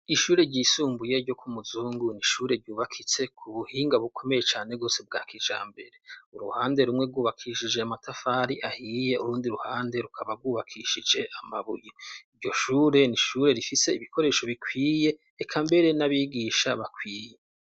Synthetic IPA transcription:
iʃuːɾe̞ɾɟiːsuːmbuje̞ɾɟo̞kʰumuzuːŋɡuniʃuːɾe̞ɾɟuːβakʰit͡se̞kʰuβuhiːŋɡaβukʰo̞me̞je̞t͡ʃaːneɡo̞ːseb̚ɡa̰ːkid͡ʒa̰ːmbe̞ɾe̞uɾṵhaːnde̞ɾumŋe̞ɡuːβakʰiʃid͡ʒeamatafaːɾiʔahije̞ʔuɾuːndiɾuhaːnde̞ɾukʰaβaɡwuːβakʰiʃid͡ʒe̞ʔamaβṵjiiɾɟo̞ʃuːɾe̞niʃuːɾe̞ɾifise̞iβikʰo̞ɾe̞ːʃo̞βikʰwiːje̞ː | kʰambe̞ɾe̞naβiːɡiːʃaβakʰwiːje

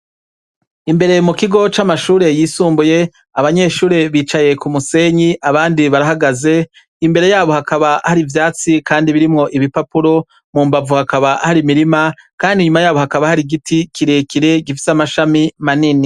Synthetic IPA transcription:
imbe̞ɾe̞mukiɡo̞t͡ʃamaʃuːɾe̞jiːsuːmbuje̞ | aβaɲe̞ʃuːɾe̞βiːt͡ʃaje̞kumuse̞ɲiʔaβaːndiβaɾaɦaɡaze̞ | imbe̞ɾe̞jaːβo̞hakaβahaɾivjaːt͡sikaːndiβiɾimŋo̞ʔiβipapuɾo̞ | muːmbavuhakaβahaɾimiɾimakaːndiɲumajaːβo̞hakaβahaɾiɡitikʰiɾekiɾe̞ɡifi̥samaʃamimanini

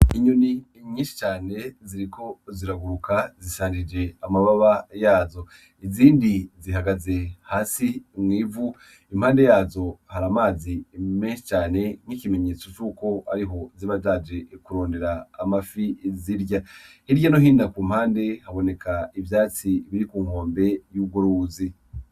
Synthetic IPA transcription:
iɲoni | ɲiːnʃi̥t͡ʃaːne̞ziɾiko̞ziɾaɡuɾukazisaːɲd͡ʒid͡ʒe̞amaβaβajaːzo̞ | iziːndiziɦaɡaze̞haːsimŋiːvu | im̥haːnde̞jaːzo̞haɾamaːzimeːnʃit͡ʃaːne̞ŋ̥hikime̞ɲe̞ːt͡so̞t͡ʃuːko̞a̰ɾiɦo̞ziβatad͡ʒe̞kuɾo̞ːnde̞ɾaːmafiziɾɟahiɾɟano̞ɦiːndakuːm̥haːnde̞haβo̞ne̞kʰaivjaːt͡siβiɾikuːŋho̞ːmbe̞juːɡoɾuzi

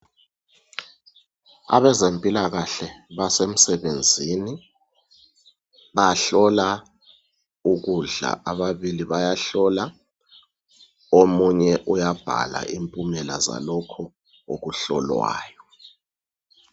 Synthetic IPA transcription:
a̰ɓɛzempʼilak̬aɬɛɓasem̩sɛɓend͡zʱini | ɓaɬɔla | uk̬uɮa̰ʔaɓaɓiliɓajaɬɔla | omuɲɛʔujab̥ʱa̰la̰ʔimpʼumɛla̰za̰lɔkʰɔ | o̰k̬uɬɔ̰lwa̰ːjɔ

